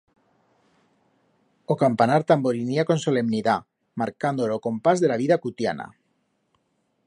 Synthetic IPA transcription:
okampanaɾt̪amboɾiniako̞nso̞le̞mniða | maɾkand̪oloko̞mpazðe̞laβiðakut̪ja̰na̰

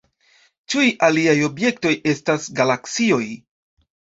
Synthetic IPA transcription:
t͡ʃujʔaliajo̞bje̞kto̞je̞stasɡalaksio̞j

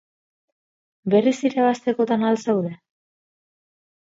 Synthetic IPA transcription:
be̞risiɾaβast̪e̞ko̞t̪analsewðe̞

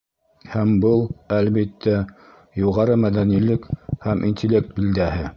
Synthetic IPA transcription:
hæmbɤlˠælβit̪ʰːæ | juʁɑɾɤmæðænilɘkhæmʔḭnʲt̪ʲɪlʲːe̞k̚t̪̚bild̪æhɘ

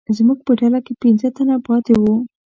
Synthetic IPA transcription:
zmuɡ̚pəɖalakepinzət̪anapɑt̪ewu

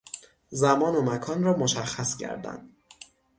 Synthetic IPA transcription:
zæmɒːnomækʰɒːnrɒːmoʃæxːæscʰæ̰ɾd̪æ̰nd̪̥

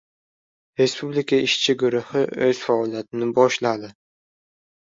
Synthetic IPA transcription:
ɾe̞spublikʰaɪʃt͡ʃʰɪɡʊɾʊhɪɵz̥faɒlˠjat̪ʰɪnɪbɒʃlad̪ɪ

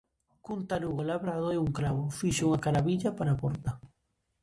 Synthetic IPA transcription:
kunt̪aɾuɣolaβɾaðoeuŋkɾaβʊfiʃuŋakaɾaβiʎapaɾapɔɾt̪a

